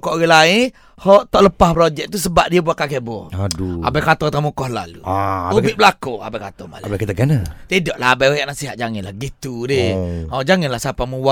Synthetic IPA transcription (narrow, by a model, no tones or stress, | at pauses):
kɔʔɣilain | hɔʔt̪ɔʔləpahpɾod͡ʒɛk̚t̪us̬əbaʔ̚diəbuakakeʔbɔadua̰bakat̪ɔt̪amukɔhla̰lṵaubiʔbəlakoa̰bajkat̪ɔhma̰labakit̪aɡanat̪idɔʔlahabaajaʔnasiɦa̰ʔ̚d͡ʒaŋɪnlahɡit̪udiɔd͡ʒaŋɪnlahsapamuwa